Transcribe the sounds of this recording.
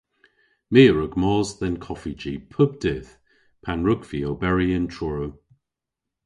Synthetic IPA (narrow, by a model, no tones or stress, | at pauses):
meːɹəɡmɔːzðənkʰɔfid͡ʒipʰʊb̚dɪːð | pʰanɹʊɡviobɛɹiəntʰɹɔɹəw